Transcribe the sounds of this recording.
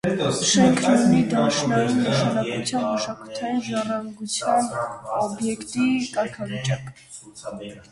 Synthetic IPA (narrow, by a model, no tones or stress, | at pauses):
ʃɛŋkʰnunid̪ɑʃnɑjinnəʃɑnɑkut͡sʰjɑnməʃɑkut̪ʰɑjinʒɑrɑŋɡut͡sʰjɑnɔbjɛkt̪ikɑɾkʰɑvit͡ʃʼɑkʼ